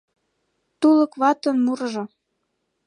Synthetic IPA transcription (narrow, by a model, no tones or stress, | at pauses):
t̪ulɤ̆kβɑt̪ə̆nmurʒo